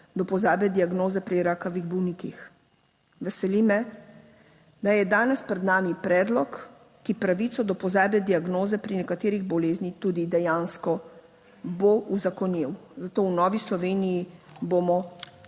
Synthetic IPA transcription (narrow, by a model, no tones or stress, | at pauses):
d̪ɔpɔzaːbɛd̪iaɡnoːzɛpɾiɾakaʋiɣbɔwnikix | ʋɛsɛlimɛ | d̪ajɛd̪aːnɛspɾɛd̪naːmipɾɛːd̪lɔkː | ipɾaʋit̪sɔd̪ɔpɔzaːbɛd̪iaɡnoːzɛpɾinɛkat̪eːɾiɣbɔleːznit̪uːd̪id̪ɛjaːnskɔ | bouzakɔnjiwzat̪oːwnɔːʋislɔʋeːnijibomɔ